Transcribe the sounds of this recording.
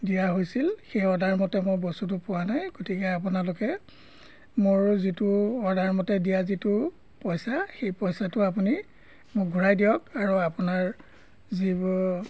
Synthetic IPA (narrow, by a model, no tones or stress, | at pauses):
dijaɦojsilxejɔdʱaɹmɔtɛmʊjbɔstutʊpʊwanajɡotikɛapʊnalʊkɛ | moɹzitʊɔdʱaɹmɔtɛdijazitʊ | pɔjsaxejpɔjsatʊap̬uni | mʊkɡʱuɹajdijɔkaɹuapunaɹ | zib